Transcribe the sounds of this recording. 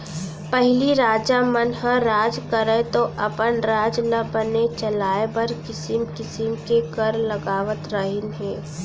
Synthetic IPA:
pɛɦliɾaːd͡ʒamənɦə̃ɾaːd͡ʒkəɾẽt̪oʔɐpənɾaːd͡ʒnɐbənet͡ʃəlaːebəɾkɪsɪmkɪsɪmkekəɾlɐɡaːʋət̪ɾəɦɪnɦeː

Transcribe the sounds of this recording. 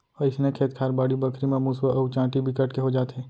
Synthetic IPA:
ɔːɾɪsnẽkʰeːt̪kʰaːɾbaːɽibɐkʰɾimẽmuswəʔɐwt͡ʃãːʈibʱikɐʈkeɦod͡ʒaːt̪ɦeː

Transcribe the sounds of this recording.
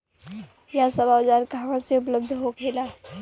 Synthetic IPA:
jasɐbaːʋd͡ʒaːlkaɦaãseʊp̬ləb̚d̪ʱɦokʰeːlaː

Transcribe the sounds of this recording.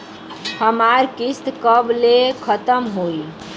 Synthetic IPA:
həmaɾkist̪kəblekʰət̪əmɦoi

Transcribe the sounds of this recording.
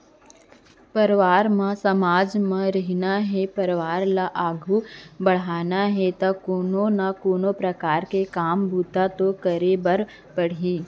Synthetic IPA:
pɐɾʋaːɾmãsɐmaːd͡ʒmãɾɐɦinaɦɛpɐɾʋaːɾlaʔaːɡʱubɐɽ̤aːnaɦɛt̪ɐkoːnonakoːnopɾɐkaːɾkekaːmbʱuːt̪at̪okəɾebɐɾ | pɐɽ̤iː

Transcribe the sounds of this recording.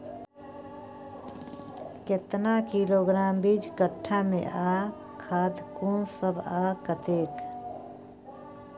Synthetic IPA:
ket̪nakiloɡɾaːmbid͡ʒkəʈʰːamḛ̃ʔa | kʰaːd̪kunsəbʱakət̪eːk

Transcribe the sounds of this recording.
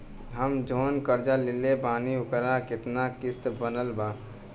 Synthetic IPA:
ɦəmd͡ʒoːnkəɾd͡ʒalɪlebaːniʊkəɾakɪt̪nakɪst̪bənəlbaː

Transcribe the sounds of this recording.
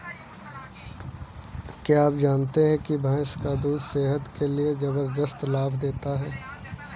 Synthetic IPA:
kjaaːpd͡ʒaːnt̪eɦɛ̃kibʱaːskad̪uːd̪seːɦət̪kelied͡ʒɐbəɾd̪əst̪laːbʱd̪eːt̪aɦɛː

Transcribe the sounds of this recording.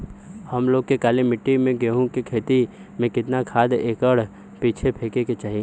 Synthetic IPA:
hɐmloːɡ̚kekaːlimɪʈːimẽɡeɦũkekʰeːt̪i | mẽkɪt̪nakʰaːd̪eːkəɽ | piːt͡ʃʰepʰeːkeket͡ʃaːɦi

